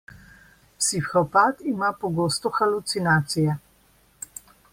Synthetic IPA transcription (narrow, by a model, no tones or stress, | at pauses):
sifxɔpaːt̪imapɔɡoːst̪ɔxalut̪sinaːt̪sijɛ